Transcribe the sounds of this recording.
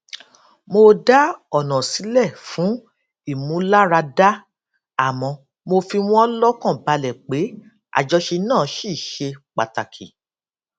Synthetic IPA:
mo˧da˦ɔ˦˨nɔ̃˨si˨˦lɛ˦˨fũ˨˦ | i˦˨mũ˨˦la˦ɾa˧da˦ | a˨mɔ̃˧ | mo˧fi˧w̃ɔ̃˦ɔ˦lɔ˦kɔ̃˦˨ba˧lɛ˨k͡pe˨˦ | a̰˨d͡ʒɔ˧ʃe˧nãː˦˨˦ʃi˦˨ʃe˧k͡pa˨ta˨kʰi˨

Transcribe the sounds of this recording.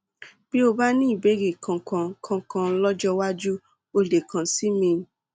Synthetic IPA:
b̥i˦o˧ba˦nĩ˦i˦˨be˨˦ɡe˨kʰã˧kã˧kʰã˧kã˧˦lɔ˦d͡ʒɔ˦wa˦d͡ʒu˦ | o˧le˨kʰã˨si˨˦mĩ˧˨˦

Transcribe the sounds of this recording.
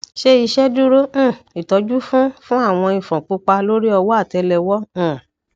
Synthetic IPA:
ʃe˦i˧ʃɛ˦du˦ɾõ˦˨i˨tɔ˨˧˦d͡ʒu˦fũ˦fũ˦a˦˨w̃ɔ̃˧ĩ˨fɾɔ̃˨k͡po˨˧k͡pa˧lo˦ɾi˦ɔ˧wɔ˦a˦˨tɛ˨˧lɛ˧wɔ̃˦˨

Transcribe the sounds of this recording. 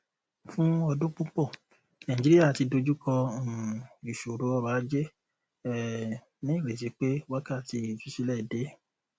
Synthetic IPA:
fũ˦ɔ˧dũ˦k͡pũ˦k͡pɔ˦˨ | nã˨d͡ʒi˦ɾi˦a˦˨ti˧do˧d͡ʒu˦kɔ˧˨ | ɾi˨ʃo˨ɾo˨˦ɔ˦˨ba˨˦d͡ʒe˦ | ɛ˦ | nĩ˦˨ɾe˨s̬e˨˧˦k͡pe˦wa˦ka˦˨ti˧˨fi˨˧˦ʃi˦lɛ˦˨de˨˦

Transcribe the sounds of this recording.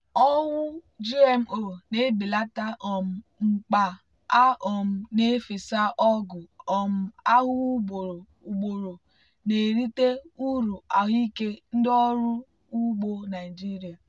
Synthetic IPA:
ɔ˦wʊ˦d͡ʒi˦e˨m̩˦˨o˨ne˦bi˨la˦ta˦ɔ˨m̩˨ŋ͡m̩˨k͡pa˨ | a˦ɔ˨m̩˨ne˦fe˨sa˦ʔɔ˦ɡʊ˨ɔ˨m̩˦a˦ɦʊ˦ɡ͡bo˨ɾo˨ | u˨ɡ͡bo˨ɾo˨ | ne˨ɾi˦te˦u˦ɾu˨a˨ɦi˦ke˦n̩˦dɔ˦ɾʊ˦ | u˦ɡ͡bo˦na˨ɪ˨d͡ʒi˦ɾi˨a˨

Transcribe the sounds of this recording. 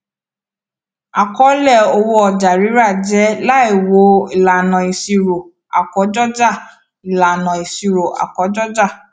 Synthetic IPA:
a˨kɔ˨˦lɛ˦˨o˧wo˧ɔ˨d͡ʒa˨ɾi˨˦ɾa˦˨d͡ʒɛ˨˦la˦i˦˨wo˨˦i˨la˨nɔ̃˨i˨si˧ɾo˨ | a˨kɔ˨˦d͡ʒɔ˦d͡ʒa˦˨ | i˨la˨nɔ̃˨i˨si˧ɾo˨a̰˨kɔ˨˦d͡ʒɔ˦d͡ʒa˦˨

